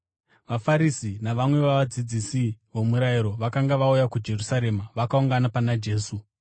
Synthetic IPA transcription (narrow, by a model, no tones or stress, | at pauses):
ʋafaɾisinaʋamwe̞ʋaʋad͡zid͡zisiʋo̞muɾaiɾo̞ʋakaŋɡaʋaujakud͡ʒe̞rusaɾe̞maʋakauŋɡanapanad͡ʒe̞ːsu